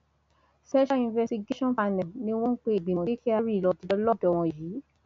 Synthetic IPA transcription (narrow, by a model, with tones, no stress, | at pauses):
sɛ˦ʃa˦ĩ˧vɛ˧sti˧ɡe˦ʃɔ̃˦fa˧nɛ̃˨nĩ˦w̃ɔ̃˦n̩˦k͡pe˦e˨ɡ͡bĩ˨ɔ̃˨i˦ki˦a˧ɾi˦˨lɔ˧˨ti˨˧dɔ˧˦lɔ˦˨dɔ˨w̃ɔ̃˧˨jiː˨˦